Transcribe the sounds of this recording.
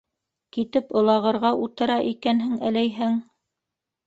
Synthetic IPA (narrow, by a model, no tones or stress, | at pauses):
kit̪ɘpŏlˠɑʁɤ̆ɾʁɑʔut̪ɤ̆ɾɑʔikænɦɘŋæ̆læjɦɘŋ